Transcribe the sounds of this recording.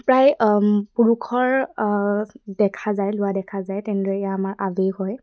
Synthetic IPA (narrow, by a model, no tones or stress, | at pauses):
pɹajpuɹukʰɔɹ | dɛkʰazajlʊwadɛkʰazajtɛñidɔɹɛɛjaːmaɹʔabeɦɔj